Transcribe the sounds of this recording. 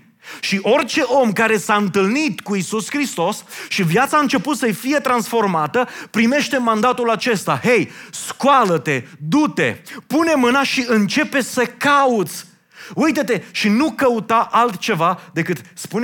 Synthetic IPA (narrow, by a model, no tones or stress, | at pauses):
ʃiʔo̞rt͡ʃe̞ʔo̞mkaɾe̞saɨnt̪ɨlnit̪kuisuskɾist̪o̞sʃivjat̪saɨnt͡ʃe̞put̪səjfije̞t̪ɾansfo̞rmat̪əpɾime̞ʃt̪e̞mand̪at̪ulat͡ʃe̞st̪ahe̞jskwalət̪e̞d̪ut̪e̞̰pune̞mɨnaʃiɨnt͡ʃe̞pe̞səkaut̪sʲ | ujt̪ət̪e̞ʃinukəut̪aʔalt̪t͡ʃe̞vad̪e̞kɨt̪spun